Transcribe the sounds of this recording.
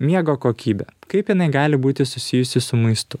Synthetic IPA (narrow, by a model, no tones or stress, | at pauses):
mʲiɛɡoːkoːkʲiːbʲɛ̰kɐɪpjɪnɐɪɡɑːlʲɪbuːt̪ʲɪsʊsʲɪjʊsʲɪsʊmɐɪst̪ʊ